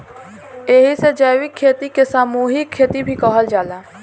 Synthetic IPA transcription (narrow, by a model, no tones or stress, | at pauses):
eːɦised͡ʒaːwɪkʰːeːt̪ikesaːmuːɦikʰːeːt̪ibʱikɔːɦəld͡ʒaːlaː